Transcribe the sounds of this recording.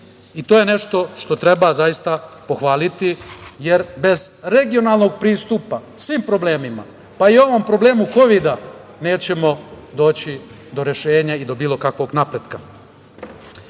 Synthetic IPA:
it̪oːjene̞ʃt̪o̞ʃt̪o̞t̪ɾe̞bazajist̪apo̞xʋaːlit̪ije̞ɾbe̞zɾe̞ɡio̞naːlˠno̞ɡ̚pɾiːst̪upasʋiːmpɾo̞ble̞ːmima̰ | paio̞ʋo̞mpɾo̞ble̞ːmuko̞ʋid̪a | ne̞ːt͡ɕe̞mo̞d̪o̞ːt͡ɕi | d̪o̞ɾe̞ʃe̞ːɲaid̪o̞biːlˠo̞kakʋo̞ɡnapɾe̞d̪ka

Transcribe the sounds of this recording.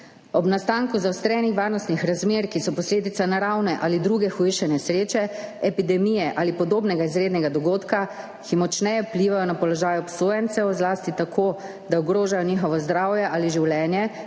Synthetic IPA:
ɔbnast̪aːŋkuzawst̪ɾɛnixʋaːɾnɔst̪nixɾazmeɾkisɔpɔsleːd̪it̪sanaɾawnɛʔalid̪ɾuːɡɛxuʃɛnɛsɾeːt͡ʃɛɛpid̪ɛmijɛʔaːlipɔd̪oːbnɛɡaizɾeːd̪nɛɡad̪ɔɡoːt̪ka | kimɔt͡ʃnɛjɛpliːʋajɔnapɔlɔʒaːjuɔpsoːjɛnt̪sɛwzlaːst̪it̪akʰoː | d̪aɔɡɾoːʒajɔniːxɔʋɔzd̪ɾaːwjɛʔaːliʒiwlɛːnjɛ

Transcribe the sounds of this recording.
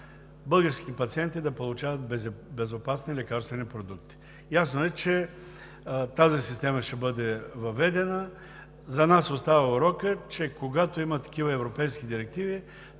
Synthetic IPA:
bɤlˠɡəɾskʲi̥t̪ɛpɐt̪siɛnt̪id̪ɐpolˠut͡ʃavət̪̚bɛbɛzopasnilʲɛkaɾst̪vɛnipɾod̪uk̚t̪i̥ | jasnoɛt͡ʃɛ | t̪azisist̪ɛməʃɛbɤd̪ɛvɐvɛd̪ɛnə | zɐnasost̪avɐʊɾɔkət͡ʃɛkoɡat̪oimət̪ɐ̥kʲivəɛvɾopɛjsk̟id̪iɾɛk̚t̪ivi

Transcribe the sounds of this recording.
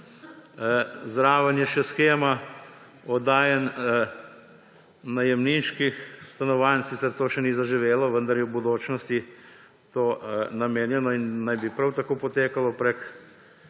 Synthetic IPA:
zɾaːʋənjɛʃɛsxeːma | ɔd̪aːjɛn | ajɛmninʃkixst̪anɔʋansit̪sɛɾt̪oːʃɛnizaʒiʋeːlɔʋənd̪aɐɾjɛwbud̪oːt͡ʃnɔst̪i | t̪oːnameːnjɛnɔinːajbipɾawt̪akoːpɔt̪eːkalɔpɾɛk

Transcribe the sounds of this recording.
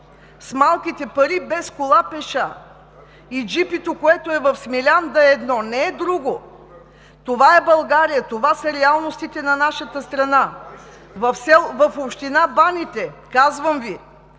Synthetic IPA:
smalˠkit̪ɛpɐɾibɛskolˠapɛʃa | id͡ʒipit̪okoɛt̪oɛvɐfsmilʲand̪ɐɛd̪nɔnɛɛd̪ɾuɡo | t̪ovaɛbɐlˠɡaɾijət̪ovasəɾɛalˠnost̪it̪ɛnɐnaʃət̪əst̪ɾɐna | vɐfsɛlˠvɐfopʃt̪inabanit̪ɛkazvəmvi

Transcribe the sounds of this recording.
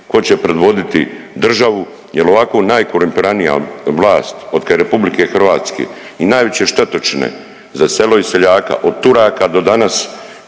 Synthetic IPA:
ko̞t͡ɕepɾe̞d̪ʋo̞d̪it̪ḭd̪r̩ʒaʋu | jeloʋakonaːjkoɾumpiɾanija̰ʋlˠaːst̪od̪kaɾepublike̞xr̩ʋaːt̪skḛinajʋet͡ɕe̞ʃt̪et̪ot͡ʃnḛ | zase̞lo̞iseʎaːka̰ʔo̞d̪̚t̪uɾaːkad̪o̞d̪anas

